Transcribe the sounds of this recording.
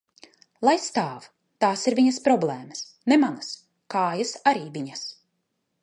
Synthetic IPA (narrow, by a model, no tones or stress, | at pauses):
lˠajst̪aːv | t̪aːsiɾvʲiɲɐspɾɔblˠɛːmɐs | nemanas | kaːjasaɾiːvʲiɲas